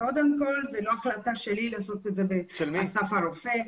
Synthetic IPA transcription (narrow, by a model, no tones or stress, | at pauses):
ko̞d̪emko̞lvelo̞aχlat̪aʃelilaːso̞t̪ezebeʃelmasafaɾofe